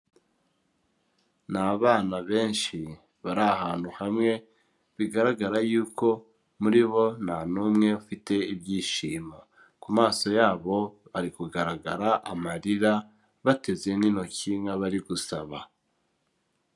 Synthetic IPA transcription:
naβaːnaβe̞ːnʃi | βaɾahaːn̥huhamŋe̞ | βiɡaɾaɡaɾajuːko̞ | muɾiβo̞nanumŋe̞ufite̞ibɟiːʃiːmo | kumaːso̞jaːβo̞βaɾikuɡaɾaɡaɾaʔamaɾiɾa | βate̞ze̞nino̞ciŋaβaɾiɡusaβa

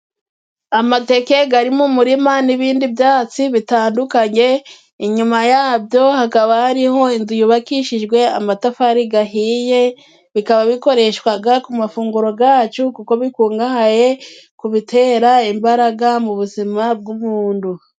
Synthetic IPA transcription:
amate̞ke̞ɡaɾimumuɾimaniβiːndibjaːt͡siβitaːndukaɲe̞ | iɲumajaːbjo̞hakaβahaɾiho̞inzujuβakiʃid͡ʒɡwe̞amatafaɾiɡaɦiːje̞ | βikaβaβiko̞ɾe̞ʃwaɡakumafuːŋɡuɾo̞ɡaːt͡ʃukuko̞βikuːŋɡahaje̞ | kuβitʰe̞ːɾaimbaɾaɡamuβuzimab̚ɡumuːndu

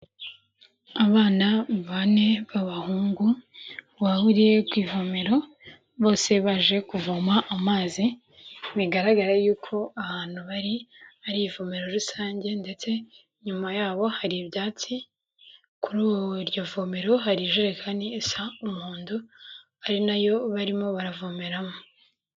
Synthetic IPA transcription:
aβaːnaβane̞βaβahuːŋɡu | wahuɾiɾe̞kwiːvomeɾo̞ | βo̞ːse̞βaʒe̞kuvomaʔːmaːzi | miɡaɾaɡaɾajuːkʰo̞aβaːn̥huβaɾiaɾivomeɾo̞ɾusaːɲɟe̞nde̞t͡se̞ | ɲumajaːβo̞haɾibɟaːt͡si | kuɾuɾɟo̞vomeɾo̞haɾiʒeɾekʰaniːsaumuːndu | aɾinajo̞βaɾimo̞βaɾavomeɾamo

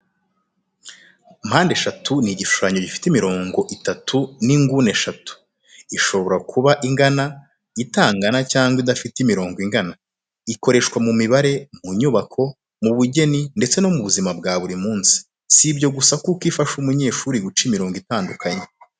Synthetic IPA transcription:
m̥haːnde̞ʃatʰuniɟiʃu̥ʃaɲo̞ɟifi̥timiɾo̞ːŋɡo̞ʔitatʰuniŋɡuneʃatu̥ | iʃo̞βo̞ɾakʰuβaʔiŋɡana | itaːŋɡanacaːŋɡwidafitimiɾo̞ːŋɡoiŋɡana | iko̞ɾe̞ʃkwamumiβaɾe̞muɲuβakʰo̞ | muβuɟe̞ninde̞t͡se̞no̞muβuzimab̚ɡaːβuɾimuːnsi̥ | sibjo̞ɡusakukiːfaʃumuɲe̞ːʃuːɾiɡut͡ʃimiɾo̞ːŋɡwitaːndukʰaɲe

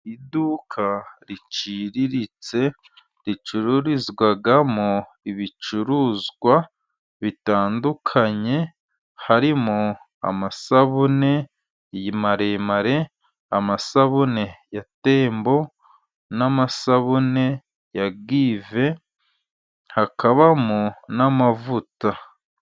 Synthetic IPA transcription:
idukʰaɾit͡ʃiɾiɾit͡se̞ | ɾit͡ʃuɾuɾizɡwaɡamo | iβit͡ʃuɾuːzɡwa | βitaːndukʰaɲe̞ | haɾimo | a̰masaβune̞ | jimaɾemaɾe̞ | amasaβune̞jate̞ːmbo̞ | namasaβune̞ | jaɡiːve̞ | hakaβamonamavuta

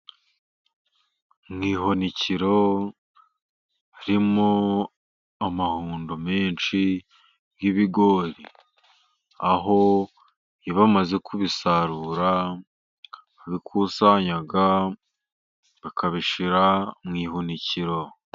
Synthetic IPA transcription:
mŋiːhoniciɾo̞ | aɾimo | amahuːndomeːnʃi | ɡiβiɡo̞ɾi | aɦo̞ | iβamaze̞kʰuβisaɾuːɾa | aβikʰusaɲaɡa | βakaβiʃiɾamŋiːhoniciɾo̞

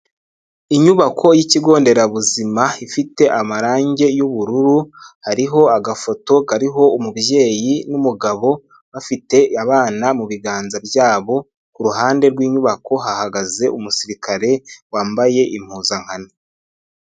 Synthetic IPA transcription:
iɲuβakʰo̞jiciɡo̞ːnde̞ɾaβuzimaifite̞ʔamaɾaːɲɟe̞juβuɾuɾuhaɾiɦo̞aɡafo̞to̞kaɾiɦo̞umubje̞ːjinumuɡaβo̞ | βafite̞aβaːnamuβiɡaːnzabjaːβo̞ | kuɾuɦaːnde̞ɾɡwiːɲuβakʰo̞ɦahaɡaze̞ʔumusiɾikʰaɾe̞waːmbaje̞ʔim̥huːzaŋ̥hane

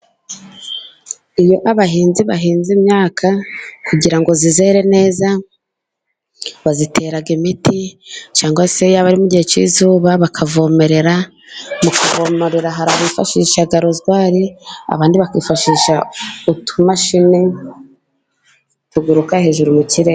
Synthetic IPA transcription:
ijoʔaβaɦiːnziβaɦiːnzimɲaːkʰakuɟiɾaŋɡo̞zize̞ɾe̞ne̞ːza | βazitʰe̞ːɾaɡimitit͡ʃaːŋɡasejaβaɾimuɟihet͡ʃḭzuːβaβakʰavo̞me̞ɾe̞ɾa | mukʰavo̞moɾeɾaɦaɾaβifaʃiːʃaɡaɾozɡwaːɾia̰βaːndiβakiːfaʃiːʃautʰumaʃine | tuɡuɾukahe̞ːʒuɾumuciɾe

